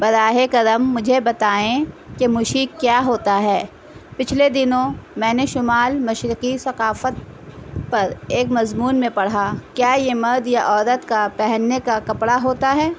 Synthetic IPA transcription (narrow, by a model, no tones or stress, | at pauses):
bɐɾaːɦekɐd̪əmːʊd͡ʒʱebɐt̪aːẽkemʊʃiːkːjaːɦoːt̪aɦɛː | pɪt͡ʃʰled̪ɪnõmɛ̃ːneʃʊmaːlmɐʃɾɪqisɐqaːfət̪̚ | pɐɾeːkmɐzmuːnmẽpɐɽ̤akjaːjemɐɾd̪jaʔɔːd̪ət̪kapɛɦɛnːekakɐpɽaɦoːt̪aɦɛː